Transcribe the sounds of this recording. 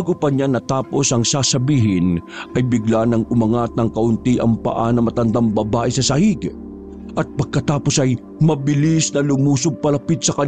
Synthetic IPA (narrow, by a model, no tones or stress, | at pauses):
ɡopɐɲanɐt̪aːpo̞sɐŋsasɐbiːɦɪnʔɐjbɪɡlanɐŋʊmɐŋat̪̚nɐŋkɐʔʊnt̪iʔɐŋpɐ̰ʔanɐmɐt̪ɐnd̪ambɐbaːʔɛsɐsɐhiɡ | ʔɐt̪̚pɐɡ̚kɐt̪aːpo̞sɐj | mɐbɪlisnɐlʊmuːsʊɡ̚pɐlɐpit̪̚sɐkɐn